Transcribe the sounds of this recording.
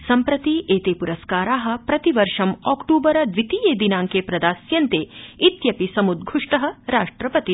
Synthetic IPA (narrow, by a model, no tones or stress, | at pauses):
sɐmpɾɐt̪iʔeːt̪eːpuɾɐskaːɾaːɦɐ̆pɾɐt̪iʋɐɾʂɐmɔːkʈuːbɐɾɐd̪ʋit̪iːjeːd̪inaːŋkeːpɾɐd̪aːsjɐnt̪eːit̪jɐpisɐmud̪ɡʱuʂʈɐɦɐ̆ɾaːʂʈɾɐpɐt̪i